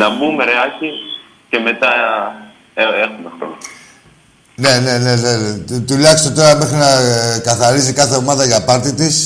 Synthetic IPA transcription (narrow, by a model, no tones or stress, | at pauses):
nɐmumeɾeɐci | ce̞me̞t̪ɐ | eexumexɾo̰no | ne̞ne̞ne̞ðet̪ulɐkist̪ot̪o̞ɾɐme̞xɾinɐkɐθɐɾisikɐθe̞o̞mɐðɐʝɐpɐɾt̪it̪is